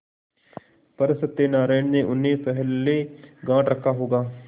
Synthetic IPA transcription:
pɐɾsɪt̪ːenaːɾaːjɳneʔʊnːẽpɛɦlːeɡãːʈɾɐkʰaɦoːɡaː

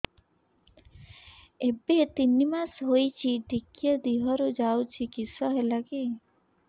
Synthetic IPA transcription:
ebet̪inimasɦojt͡ʃʰiɖikjɔd̪iɦɔɾud͡ʒawt͡ʃʰikisɔɦelaɡe

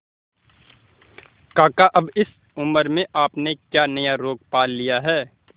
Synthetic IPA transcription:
kaːkaʔɐbɪs | ʊməɾmẽʔaːpnekjaːnɐjaɾoːɡ̚paːlːijaɦɛː

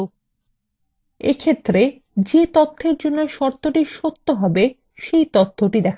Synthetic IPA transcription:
ḛkʰet̪ːɾe | d͡ʑet̪ot̪ʰːeɾd͡ʑonːoeʃɔɾt̪ʰːoʈiʃot̪ːoɦɔbe | ʃejt̪ot̪ʰːoʈid̪ɛkʰ

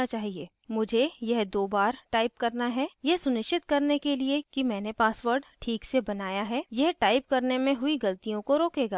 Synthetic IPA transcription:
at͡ʃaːɦieː | mʊd͡ʒʱejɛɦd̪oːbaːɾʈaːɪp̚kɐɾnaɦɛjɛɦsʊnɪʃt͡ʃɪt̪kɐɾnekeliekimɛ̃ːnepaːsʋəɾɖʈʰiːksebɐnaːjaɦɛjɛɦʈaːɪp̚kɐɾnemẽɦʊiɡɐlt̪ijõkoɾoːkeːɡaː

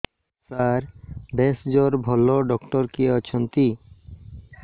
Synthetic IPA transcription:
saɾb̪esd͡ʑɔɾbʱɔloɖɔkʈɔɾkiɔt͡ɕʰɔnt̪i

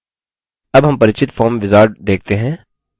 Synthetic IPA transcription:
ɐbɦɐmpɐɾɪt͡ʃɪt̪fʰɔːɾmʋɪzaːɾɖd̪eːk̚t̪eɦɛ̃ː

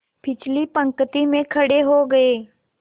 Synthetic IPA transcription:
pʰɪt͡ʃlipɐ̃ŋkət̪imẽkʰɐɽeɦoɡɐeː

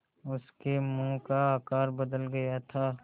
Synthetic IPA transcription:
ʊskemũːkaaːkaːɾbɐd̪əlɡɐjat̪ʰaː

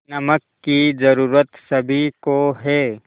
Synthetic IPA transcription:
nɐməkːizɐɾuːɾət̪sɐbʱikoɦɛː

